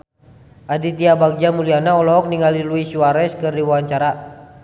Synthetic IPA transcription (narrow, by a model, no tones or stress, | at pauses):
ʔadit̪iabaɡ̚d͡ʒamulianaɔlɔɔk̚niŋaliluisuaɾɛskɨrdiwawaɲt͡ʃaɾa